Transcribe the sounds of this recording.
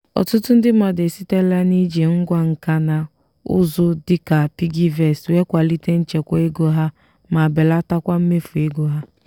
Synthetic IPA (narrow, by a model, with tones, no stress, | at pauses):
ɔ̰˨tʊ˦tʊ˦n̩˦dɪ˦ma˨de˨si˦te˦la˦ni˦d͡ʒe˨ŋ̩˦ɡʷa˦ŋ̩˨ka˦na˨ | ʊ̰˦zʊ˦dɪ˦ka˨pi˦ɡi˦vɛ˨swe˦kʷa˨li˦te˦n̩˦t͡ʃe˨kʷa˦e˦ɡo˦ɦa˦ | ma˨be˨la˦ta˦kʷa˦m̩˦me˦fu˨e˦ɡo˦ɦa˦